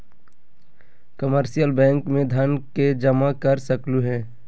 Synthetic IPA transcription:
kəməɾʃijəlbɛ̃ːŋkmẽd̪ʱɐnked͡ʒɐmakɐɾsəkluɦɛ̃ː

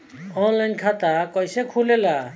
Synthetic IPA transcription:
ɔnlajnkʰat̪akʌjsekʰulela

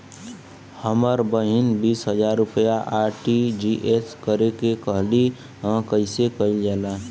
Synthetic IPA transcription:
həməɾbəɦinbiːsɦəd͡ʒaːɾːʊpjaʔaɾʈid͡ʒiʔeskəɾekekəɦli | ɦə̃kəɪsekəid͡ʒaːla

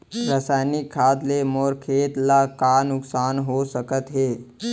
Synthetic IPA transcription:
ɾasaːjnikʰːaːd̪lemɔːɾkʰeːt̪lakaːnʊksaːnɦosəkət̪ɦeː

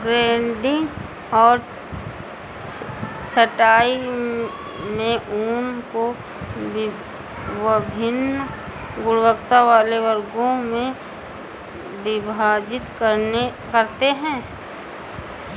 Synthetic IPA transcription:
ɡɾeːɳɖɪ̃ŋɡ | ɔːɾ | t͡ʃʰəʈaːi | mẽʔuːnko | ʋəbʱɪnːə | ɡʊɽwəkt̪aʋaːleʋəɾɡõmẽ | bɪbʱaːd͡ʒɪt̪kəɾnekəɾt̪eɦɛ̃ː

